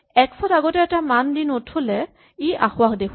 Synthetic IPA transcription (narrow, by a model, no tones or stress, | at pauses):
ɛksʰɔtaɡɔtɛɛtamandinotʰolɛ | iʔaxʊwakdekʰ